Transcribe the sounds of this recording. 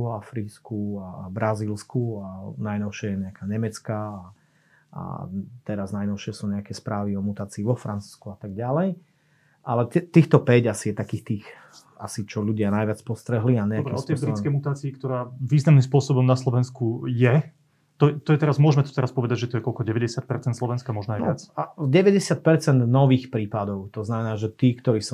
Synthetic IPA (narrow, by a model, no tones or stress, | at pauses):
ɔafɾiːskuabɾʔaziːlskuanajnɔʊʃɛjɛɲɛakaːɲɛmɛt͡skaː | a̰t̪ɛɾaznajnɔʊʃɪɛsuːɲɛakɛspɾʔaːʋiɔmut̪aːt͡siːʋɔfɾant͡su̥skuat̪aɡɟalɛj | ʔalɛt̪ɛt̪iːxt̪ɔpɛɟasijɛt̪akiːxt̪iːx | a̰sit͡ʃɔʎuɟɪanajʋɪat͡spɔst̪ɾɛɦliaɲɛakbɾɛɛɔt̪ɛbɾikɛjmut̪aːt͡siːkt̪ɔɾaːʋiːznamnimspʊɔsɔbɔmnaslɔʋɛnskujɛ | t̪ɔjɛt̪ɔjɛt̪ɛɾazmʊɔʒmɛt̪ɔ̥t̪ɛɾaspɔʋɛd̪aɟʒɛt̪ɔjɛkɔlkɔɟɛʋɛɟɛsɪat̪̚pɛɾt͡sɛnt̪slɔʋɛnskamɔʒnajnɪat͡saɟɛʋɛɟɛsɪat̪̚pɛɾt͡sɛnd̪nɔʋiːxpɾiːpad̪ɔʊt̪ɔznamɛnaːʒɛt̪iːkt̪ɔɾiːs